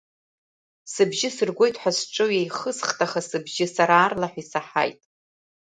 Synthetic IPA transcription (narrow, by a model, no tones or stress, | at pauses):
sɨbʒɪsɨrɡʷo̞jtʰʼħʷᶣasʈ͡ʂʷʼɨwjejχəsχtʰʼaχasɨbʒɪsaɾaːrlaħʷᶣisaħa̰jtʼ